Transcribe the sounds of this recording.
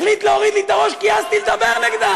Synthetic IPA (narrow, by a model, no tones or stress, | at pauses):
χlit̪leoʁid̪lit̪aʁo̞ʃkiazt̪ild̪abeʁneɡd̪a